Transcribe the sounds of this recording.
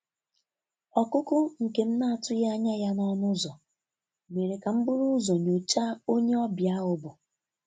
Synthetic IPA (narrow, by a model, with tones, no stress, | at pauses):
ɔ˨kʊ˦kʊ˦ŋ̩˨ke˨m̩˦na˦a˦˨tʊ˦ja˦a˦ɲa˦ja˦nɔ˦nʊ˦zɔ˨ | me˨ɾe˨ka˨m̩˦bʊ˦ɾʊ˦zɔ˨ɲo˨t͡ʃa˦o˦ɲe˦ɔ˦bja˦ʊ˨bʊ˨